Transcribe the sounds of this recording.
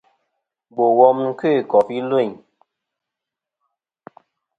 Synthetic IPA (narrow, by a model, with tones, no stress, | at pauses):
bo˨wɔ˦mŋ̩˦ke˦˨kɔ˨fi˦lwo˦˨